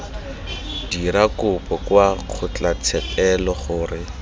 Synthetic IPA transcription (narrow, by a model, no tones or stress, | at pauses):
d̥iɾakʊpɔkwaq͡χʰʊt͡ɬat͡sʰɛpʼɛlɔχʊːrɪ